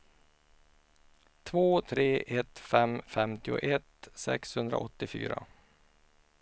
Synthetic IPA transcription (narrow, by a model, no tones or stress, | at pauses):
t̪ʰvoːt̪ʰɾeːʔɛt̪fɛmfɛmt̪ɪʊ̰ʔɛt̪sɛ̰kshɵnd̪ɾaʔɔt̪ːɪfy̰ːɾa